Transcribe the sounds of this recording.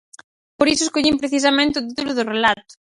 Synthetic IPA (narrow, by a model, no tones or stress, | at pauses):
poɾisʊeskoʎimpɾeθis̬ɐmẽnt̪eɪʊt̪̬it̪ulʊðʊrelat̪ʊ̥